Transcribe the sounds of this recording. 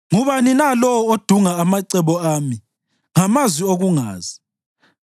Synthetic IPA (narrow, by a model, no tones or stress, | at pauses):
ŋuβaninalɔwɔod̥ʱuŋaːmaǀɛβɔaːmi | ŋamazwioɣuŋa̰ːzi